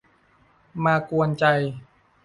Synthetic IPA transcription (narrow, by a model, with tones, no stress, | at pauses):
maː˧ku˧ənt͡ɕa˧j